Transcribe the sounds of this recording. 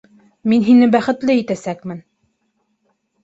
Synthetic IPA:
minɦinɘbæχɘ̆t̪lɘit̪æsækmɘn

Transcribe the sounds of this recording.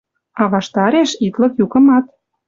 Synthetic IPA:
ɑβɑʃt̪ɑɾeʃit̪lɤ̆kjukɤ̆mɑt̪̚

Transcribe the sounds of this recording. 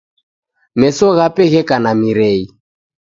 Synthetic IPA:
mɛsɔɣapɛɣɛkanamiɾɛi

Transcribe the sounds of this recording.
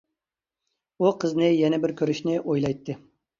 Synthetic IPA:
uqʰəznɨjɛnɛbɪɾkʲʰøɾyʃnɪʔojlˠɑjt̪ʰːɨ

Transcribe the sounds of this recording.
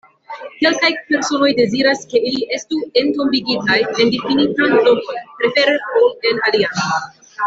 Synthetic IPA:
ke̞lkajpe̞ɾso̞no̞jde̞ziɾaske̞iliʔe̞stue̞nto̞mbiɡitajendefinitantokonpɾe̞fe̞ɾeole̞nalian

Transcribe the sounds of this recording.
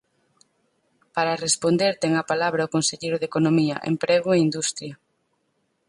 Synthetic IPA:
paɾarespond̪eɾt̪ɛŋɐpalaβɾɐokonseʎejɾʊðekonomiɐ̰ʔḛmpɾeɣoeind̪ust̪ɾjɐ

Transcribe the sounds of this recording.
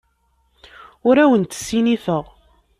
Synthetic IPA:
ʊɾæwənt̪ə̥sːiniθəʁ

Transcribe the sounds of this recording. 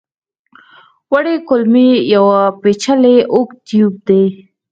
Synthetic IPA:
waɽekʊlmijawapet͡ʃaleʔokt̪ijub̚d̪e

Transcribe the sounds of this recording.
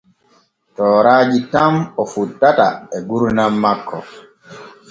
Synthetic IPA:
tɔːɾaːd͡ʒitamɔfutːata̰ɛɡuɾnamːakːɔ̰

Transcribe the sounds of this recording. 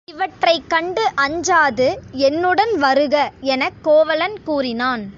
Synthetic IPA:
ɪʋɐʈrɐɪkːɐɳɖɯʔɐɲd͡ʒaːðɯɛnːɯɽɐnʋɐɾɯɣɐɛnɐkːoːʋɐlɐnkuːrɪnaːn

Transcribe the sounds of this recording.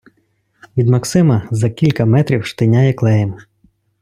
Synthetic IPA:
ʋʲid̪mɐksɪmɐzɐkʲilʲkɐmɛt̪ɾʲiwʃt̪ɪnʲajɛklˠɛjɐm

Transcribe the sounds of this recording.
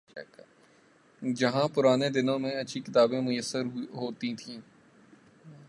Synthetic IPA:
d͡ʒɐɦãpʊɾaːned̪ɪnõmẽɐtːʃʰikɪt̪aːbẽmʊjəsːəɾɦoːt̪ĩt̪ʰĩː

